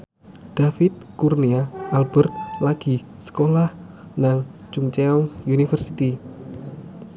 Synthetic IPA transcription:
d̪̥afɪt̪̚kurniaalbərt̪̚laɡ̥i | sə̥kolah | naŋ | t͡ʃuŋt͡ʃeɔŋjunifərsit̪i

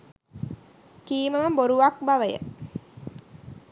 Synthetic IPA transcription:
kiːməməmboɾuʋak̚baʋəjə̰

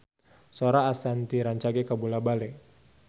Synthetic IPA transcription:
soɾaːsant̪iɾaɲt͡ʃaɡɛkabulabalɛ

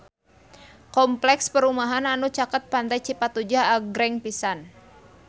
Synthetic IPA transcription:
kɔmplɛkspəɾumaɦananut͡ʃakət̪̚pand̪ajt͡ʃipat̪ud͡ʒaaɡɾɛŋpisan

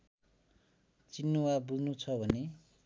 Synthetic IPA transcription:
t͡sinːuwabud͡znut͡sʰʌbʱʌne

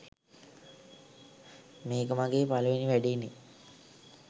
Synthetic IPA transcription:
meːkəmaɡeːpaluʋiniʋæɖine

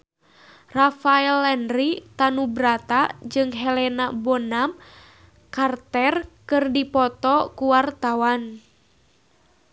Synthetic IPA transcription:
rafaɛlɛnɾit̪anubɾat̪ad͡ʒɨŋɦɛlɛnabɔnam | kart̪ɛrkɨrdipɔt̪ɔkuwart̪awan

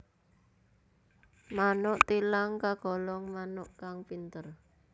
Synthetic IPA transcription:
manʊʔt̪ilaŋkaɡ̥ɔ̤lɔŋmanʊʔkaŋpint̪ər

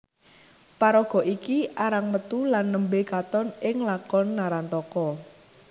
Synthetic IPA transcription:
paɾɔɡ̥ɔ̤ʔikiʔaɾaŋmət̪ulanːəmbekat̪ɔnɪŋlakɔnːaɾant̪ɔkɔ

